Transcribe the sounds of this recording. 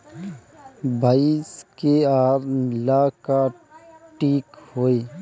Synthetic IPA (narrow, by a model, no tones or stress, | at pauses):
baiskeaːɾlaka | ʈiːkɦoːe